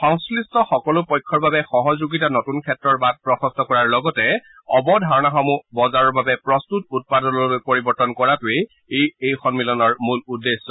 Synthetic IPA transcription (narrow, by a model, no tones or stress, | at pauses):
xɔŋslistɔxɔkɔlʊpɔjkʰːɔɹbabɛxɔɦɔzuɡitanɔtunkʰɛtɹɔɹbat̚pɹɔxɔstɔkɔɹaɹlɔɡɔtɛ | ɔbɔdʱaɹɔnaxɔmubɔzaɹɔɹbabɛpɹɔstut̚ut̚padɔnɔpoɹibɔɹtɔnkɔɹatʊe | ejejxɔnmilɔnɔɹmuludːesːɔ